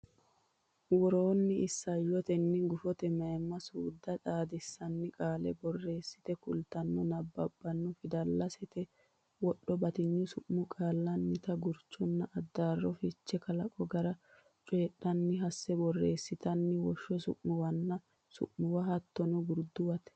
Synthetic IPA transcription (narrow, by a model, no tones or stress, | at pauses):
wɔɾoːnːɪɪsːɐjɔt̪ɛnːɪɡʊfɔt̪ɛmɐɛmːɐsuːd̪ːɐᶑaːd̪ɪsːɐnːɪkʼaːlɛ̰bɔrːe̞ːsːɪ̥t̪ɛkʊ̰lt̪ɐnːɔnɐbːɐbːɐnːʊfɪd̪ɐlːɐsɛt̪ɛ | wɔɗːɔbɐt̪ɪɲːʊsʊʔmʊkʼaːlːɐnːɪt̪ɐɡʊɾt͡ʃːɔnːɐʔːd̪ːaːrːɔfɪt͡ʃːɛkɐlɐkʼɔɡɐɾɐ | t͡ʃʼeːɗːɐnːɪɦɐsːɛbɔrːeːsːɪt̪ɐnːɪwɔʃːɔsʊ̰ʔmʊwɐnːɐ | sʊ̰ʔmʊwɐhɐt̪ːɔnɔɡʊɾd̪ʊwɐt̪